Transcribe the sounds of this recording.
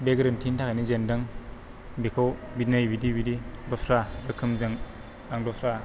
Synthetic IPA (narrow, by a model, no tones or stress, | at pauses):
beɡɾɯntʰintʰakanizendɯŋ | bikʰawbitnajbidibididɔsɾabɯkʰːɯmzɯŋ | aŋdɔsɾa